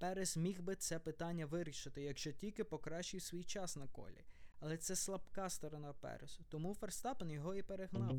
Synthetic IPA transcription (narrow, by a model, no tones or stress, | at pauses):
pɛɾezmʲixbɪt̪sɛpɪt̪ɑnʲːɐʋɪɾʲiʃɪt̪ɪjɐɡʒt͡ʃɔtʲilʲkɪpɔkɾɑʃt͡ʃɪjwsʲʋʲijt͡ʃɑsnɐkɔ̰lʲḭɐlˠɛt̪sɛslˠɐbkɑst̪ɔɾɔnɑpɛ̰ɾezʊt̪ɔmuferst̪ɑpenjɔɦɔipeɾeɦnɑw